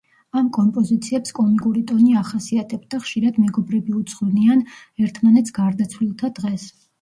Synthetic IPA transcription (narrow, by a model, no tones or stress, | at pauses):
amkʼɔmpʼɔzit̪sʰiɛpskʼɔmikʼuɾit̪ʼɔniaχasiat̪ʼʰɛbd̪aχʃiɾad̪mɛɡɔbɾɛbiut̪sʰʼχlnian | ɛɾt̪ʰmanɛt̪sɡ̥aɾd̪at̪sʰvlilˠt̪ʰad̪̥ʁɛs